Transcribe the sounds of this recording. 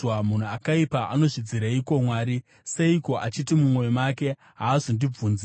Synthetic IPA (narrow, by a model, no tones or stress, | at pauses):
wamun̤uakaipaʔano̞ʐid͡ziɾeiko̞mwaːɾi | se̞iko̞ʔat͡ʃitimumwo̞jomake̞ | ɦaːzondib͡vuːnz